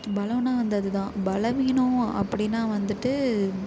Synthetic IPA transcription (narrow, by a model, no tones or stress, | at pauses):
bɐlɐ̃ʋnaːʋɐnd̪ɐðɯt̪ãːbɐlɐʋɪːnʊ̃ɐ̰pːɐɽɪnːaːʋɐnd̪ɯʈːɯ